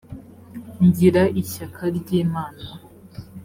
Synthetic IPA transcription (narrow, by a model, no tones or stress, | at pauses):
ɲɟiɾaʔiʃakʰaɾɟiːmaːna